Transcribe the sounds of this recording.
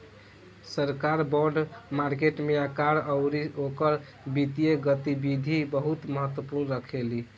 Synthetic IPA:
səɾkaɾbɔɖmaɾkeʈmeakaɾəʊɾiokəɾ | bit̪ieɡət̪ibid̪ʱibəɦut̪məɦət̪wəpuɾnɾəkʰeli

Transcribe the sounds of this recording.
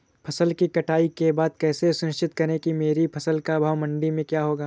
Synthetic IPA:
pʰɐsəlkikɐʈaːikebaːd̪̚kɛːsesʊnɪʃt͡ʃɪt̪kɐɾẽkimeːɾipʰɐsəlkabʱaːʋmɐ̃ɳɖimẽkjaːɦoːɡaː

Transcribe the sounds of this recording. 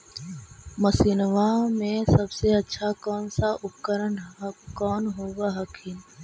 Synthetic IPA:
mɐsiːnʋamẽsɐbseɐtːʃʰakɔːnsaʔʊp̚kəɾənkɔːnɦoːɡaɦɐkʰiːn

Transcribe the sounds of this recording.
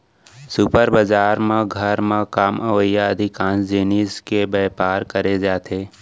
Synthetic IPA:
supəɾbəd͡ʒaːɾmãɡʱəɾmãkaːməʋəjaəd̪ʱɪkãːnsd͡ʒeːniskebɛːpaːɾkəɾed͡ʒaːt̪ʰeː

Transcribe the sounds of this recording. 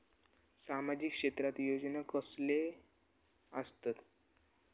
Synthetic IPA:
samad͡ʑikʂet̪ɾat̪jod͡ʑnakəsle | əst̪at̪

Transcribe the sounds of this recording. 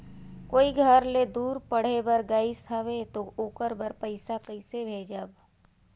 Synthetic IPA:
koːiɡʱəɾled̪uːɾpɐɽ̤ebəɾɡaːɪsɦɐʋet̪ooːkəɾbəɾpəɪsakɐɪsebʱeːd͡ʒaːb

